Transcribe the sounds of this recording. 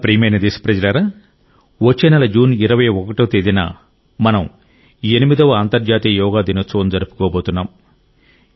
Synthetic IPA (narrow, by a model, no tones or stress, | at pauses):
pɾiːmɐjnɐd̪isi̥pɾɐd͡ʒɐlɐɾaː | ʋot͡ʃːenɐlɐd͡ʒuːniɾɐʋɐjɔkɐʈoːt̪eːd̪ina̰ | mɐnɐm | enimid̪ɐʋɐaːnt̪ɐɾd͡ʒaːt̪ijɐjɔːɡaːd̪inɐt͡soːnd͡ʒɐɾupu̥kɔːboːt̪unːaːm